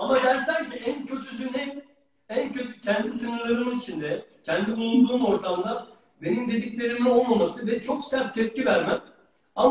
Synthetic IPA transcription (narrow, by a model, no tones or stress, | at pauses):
amad̪æɾsæɾciæncʰø̞t̪ʰysynɛ | æncʰø̞t̪ʰycʰɛnd̪isɯnɯɾlˠaɾɯmit͡ʃʰind̪ɛcʰɛnd̪iujund̪uːmo̞ɾt̪ʰamlˠa | be̞nimd̪e̞d̪iclʲe̞ɾimɛo̞lˠmamasɯvɛt͡ʃʰo̞ksæɾt̚t̪ʰɛp̚civæɾmæn | am